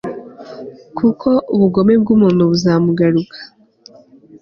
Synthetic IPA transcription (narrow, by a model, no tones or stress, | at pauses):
kʰukʰo̞ʔuβuɡo̞me̞bɡuːmuːnuβuzaːmuɡaɾukʰḁ